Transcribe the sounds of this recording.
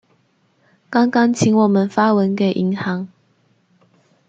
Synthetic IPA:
kɑ˥ŋkɑ˥ŋt͡ɕʰi˧˥nwɔ˨˩mə˨˦nfa˥wə˧˦nke˨˩ɪʔi˧˦ŋhɑ˨˧˦ŋ

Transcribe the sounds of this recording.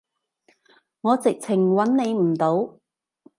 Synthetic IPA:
ŋɔː˨˧t͡sɪ˨k̚t͡sʰɪ˨˩ŋwɐ˨˥nne˨˧jm̩˨˩t̪o˨˥w

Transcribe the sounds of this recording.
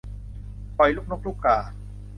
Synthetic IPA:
pɔ˨˩jluː˥˩nuː˦˥˩k̚luː˥˩klaː˨˩

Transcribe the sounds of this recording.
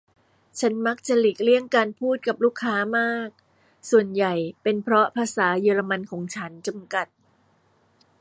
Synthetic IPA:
t͡ɕʰa˦˥nma˦˥k̚t͡ɕa˨˩li˨˩k̚li˥˩əŋkaː˧npʰuː˥˩t̪̚ka˨˩p̚luː˥˩kʰːaː˦˥maː˥˩k̚ | su˨˩ənja˨˩jpe˧npʰɾɔ˦˥pʰaː˧saː˩˦jɤː˧ɾa˧ma˧nkʰɔː˩˦ŋt͡ɕʰa˦˥nt͡ɕa˧mka˨˩t̪̚

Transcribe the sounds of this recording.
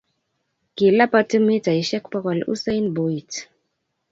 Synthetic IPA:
ki˨la˦pa˦tə˦me˦ta˨i˨ʃɛ˦kpa˦ka˨lṵ˦sa˦jnbo˨i˨t

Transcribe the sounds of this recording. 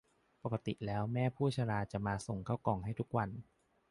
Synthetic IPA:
pa˨˩ka˧t̪ḭ˨˩lɛː˦˥wmɛː˥˩pʰuː˥˩t͡ɕʰaː˧ɾaː˧t͡ɕa˨˩ʔmaː˧so˨˩ŋkʰaː˥˩wkɔː˨˩ŋɦa˥˩jt̪ʰk̚wa˧n

